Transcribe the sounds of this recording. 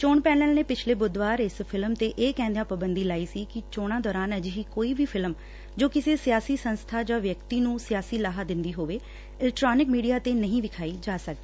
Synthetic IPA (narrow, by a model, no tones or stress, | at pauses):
t͡ʃoːɳpɛːnəlneːpɪt͡ʃʰleːbʊd̪ʋaːɾɪspʰɪlmt̪eːʔeːkɛ̃ːnd̪eãːpəbənd̪iːlaːiːsiːkɪt͡ʃoːɽ̃ãːd̪ɔːɾaːnəd͡ʒɦiːkoːiːʋiːpʰɪlm | d͡ʒoːkɪseːsɪjaːsiːsənst̪ʰaːd͡ʒãːʋjəkt̪iːnũːsɪjaːsiːlaːɦaːd̪ɪ̃nd̪iːɦoːʋeː | ɪlɛkʈɾaːnɪkmiːɖijaːt̪eːnəɦĩːʋɪkʰaːiːd͡ʒaːsəkd̪i